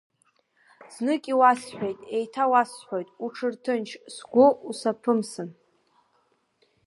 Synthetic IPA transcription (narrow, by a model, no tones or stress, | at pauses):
z̥nɨkʲʼiwasħʷᶣojtʼe̞jtʰawasħʷᶣojtʼuʈ͡ʂʰɨrtʰɨnt͡ʃʰsɡʷʊusapʰɨmsɨn